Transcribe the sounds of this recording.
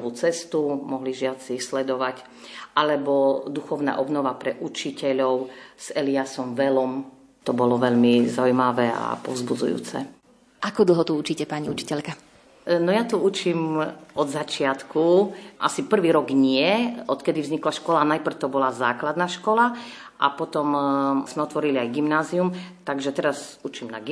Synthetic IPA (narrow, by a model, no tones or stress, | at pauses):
ʋuːt͡sɛst̪umɔɦliʒɪat͡siːxslɛd̪ɔʋac | ʔalɛbɔd̪uxɔʊna̰ːʔɔbnɔʋapɾɛʔut͡ʃicɛʎɔʊz̥ɛliasɔmʋɛlɔm | t̪ɔbɔlɔʋɛʎmizaujmaʋɛa̰pɔ̰ʊzbud͡zṵjṵːt͡sɛ̰ | ʔakɔd̪l̩ˠɦɔt̪uut͡ʃiːcɛpaɲiut͡ʃi̥cɛʎka | nɔjat̪ɔut͡ʃiːmɔd̪zat͡ʃɪat̪kʰuʔa̰sipr̩ʋiːɾɔɡɲɪɛɔt̪kɛd̪ivzɲiklaʃkɔlanajpr̩t̪ɔbɔlaza̰ːklad̪naʃkɔla | ʔa̰pɔt̪ɔmz̥mɛɔt̪ʋɔɾiliajɡimnaːziumt̪aɡʒɛt̪ɛɾazut͡ʃimna̰ɡ